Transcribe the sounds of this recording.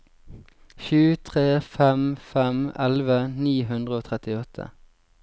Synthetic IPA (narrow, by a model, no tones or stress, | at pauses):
ʃʉːt̪ʰʁeːfɛmfɛmɛlʋəniːɦʉnd̪ʁəoːt̪ʰʁɛt̪ɪɔt̪ʰə̰